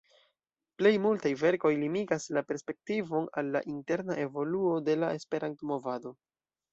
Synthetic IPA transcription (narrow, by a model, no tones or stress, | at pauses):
ple̞jmultajve̞ɾko̞jlimiɡaslape̞ɾspe̞k̚tivo̞nalːa̰ʔinte̞ɾnaʔe̞vo̞luo̞de̞lae̞spe̞ɾantomo̞vado̞